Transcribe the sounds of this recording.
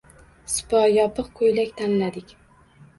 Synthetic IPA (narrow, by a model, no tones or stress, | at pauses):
sɪ̥pɒjɒpʰɨqkʰojlakʲt̪ʰanlad̪ɪkʲ